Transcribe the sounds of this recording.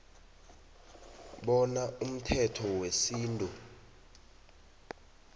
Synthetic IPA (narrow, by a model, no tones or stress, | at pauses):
ɓɔnaʔum̩tʰɛtʰɔwesiːntʼu